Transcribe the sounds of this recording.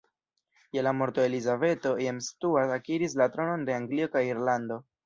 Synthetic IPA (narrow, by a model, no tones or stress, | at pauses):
jelamo̞ɾto̞e̞lizave̞to̞jemstuasakiɾis̬latɾo̞no̞nde̞aŋɡlio̞kajiɾlando̞